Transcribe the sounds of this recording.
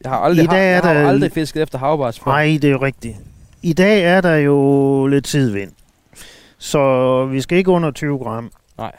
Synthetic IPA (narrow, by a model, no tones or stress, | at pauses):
jɑi̥ɛ̰ːæɐd̥ɑldʁife̝sɡ̥əefd̥ɐɦɑ̈ʊb̥ɑsfɑ̈ɪd̥e̝oʁɛɡ̥̚d̥iid̥ɛ̰ːæɐdɑ̈jo̝le̝d̥t͡sʰið̞̰ˠʋen̰ | sɒ̽ʋisɡ̥æe̝ɡ̥əɔ̽n̰ɐt͡sʰyːʊɡ̥ʁɑ̈m̰ | ɪ